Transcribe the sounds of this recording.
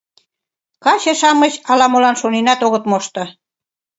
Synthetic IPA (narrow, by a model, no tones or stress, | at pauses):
kɑt͡ɕĕʃɑmə̆t͡ɕɑlɑmolɑnʃonenɑt̪oɣət̪moʃt̪ɤ̆